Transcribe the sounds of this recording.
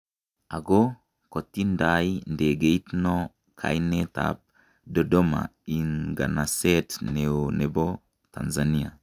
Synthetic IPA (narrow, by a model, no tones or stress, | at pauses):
aɡo | kotːindajndeɡeitno | kʰa̰jneta̰p̚ | dodoma̰iŋɡa̰nasetneonebo | ta̰nzania̰